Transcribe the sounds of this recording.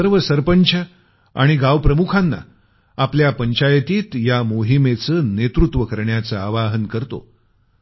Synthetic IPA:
əɾʋəsəɾpəɲt͡ɕʰə | a̰ɽ̃iɡaʋpɾəmukʰanːa̰ | apljapəɲt͡ɕajt̪iːt̪jamoɦimet͡səːnet̪ɾut̪ʋəkəɾɳjat͡səaʋaɦənkəɾt̪o̰

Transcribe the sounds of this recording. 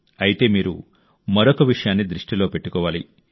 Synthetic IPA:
ɐjit̪e̞ːmiːɾṵ | mɐɾokɐʋiʂɐjaːnːid̪ɾiʂʈilo̞ːpeʈːukɔːʋaːlḭ

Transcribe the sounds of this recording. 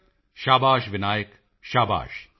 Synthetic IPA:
ʃaːbaːʃʋɪnaːjək | ʃaːba̰ːʃ

